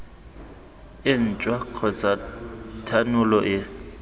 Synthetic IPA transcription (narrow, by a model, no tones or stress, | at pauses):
ɪn̩t͡ʃʼwakʰɔt͡sʼatʰanulɔʔɪ